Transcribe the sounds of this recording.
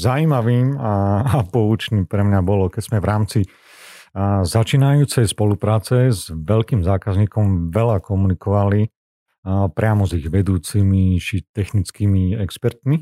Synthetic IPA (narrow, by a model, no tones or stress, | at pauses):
zaiːmaʋiːmapɔʋut͡ʃniːpɾɛmɲabɔlɔkɛz̥mɛʋɾaːmt͡si | zat͡ʃiːnajuːt͡sɛjspɔlupɾaːt͡sɛzʋɛlkiːmzaːkazɲiːkɔmʋɛlakɔmunikɔʋali | pɾɪamɔziɣʋɛd̪uːt͡simit͡ʃit̪ɛxnit͡skiːmiɛkspɛɾt̪mi